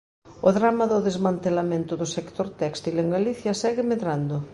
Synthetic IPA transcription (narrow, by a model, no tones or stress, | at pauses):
ʊðɾamɐðʊðezmãnt̪elamẽnt̪ʊðʊsekt̪oɾt̪ɛkst̪ileŋɡaliθjɐsɛɣɪmeðɾand̪ʊ